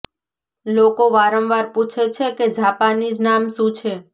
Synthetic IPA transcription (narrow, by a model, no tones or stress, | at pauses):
lokoʋaɾə̃mʋaɾput͡ʃʰet͡ʃʰeked͡ʒʱapanid͡ʒnamʃũt͡ʃʰe